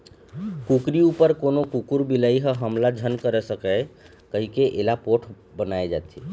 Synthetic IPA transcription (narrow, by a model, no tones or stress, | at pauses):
kukɾiupəɾkonokukuɾbiləiɦə̃ɦəmlad͡ʒʱənkəɾesəkɛ | kəɦikeʔelapoʈʰ | bənaed͡ʒa̰t̪ʰi